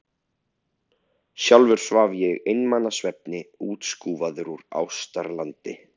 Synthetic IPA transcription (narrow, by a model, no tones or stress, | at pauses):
sjawlvʏɾ̥svavjɛɣejnmanːasvɛp̚nɪuːt̪skuːvaðʏɾuɾa̰wst̪aɾlant̪ɪ̰